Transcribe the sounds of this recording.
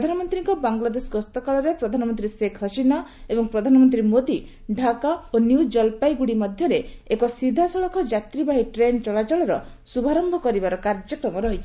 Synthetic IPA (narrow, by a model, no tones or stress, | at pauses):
pɾd̪ʱanɔmɔnt̪ɾiŋkɔbaŋlad̪esɡɔst̪ɔkaɭɔɾepɾɔd̪ʱanɔmɔnt̪ɾisekʰɔsinaebɔŋpɾɔd̪ʱanɔmɔnt̪ɾimod̪i | ɖʱakaonjud͡ʒɔlpajɡuɽimɔd̪ʱjɔɾeːkɔsid̪ʱasɔɭɔkʰɔd͡ʒat̪ɾibaɦiʈɾent͡ʃɔɭat͡ʃɔɭɔɾɔ | subʱaɾɔmbʱɔkɔɾibaɾɔkaɾd͡ʒɔkɾɔmɔɾɔɦit͡ʃʰi̥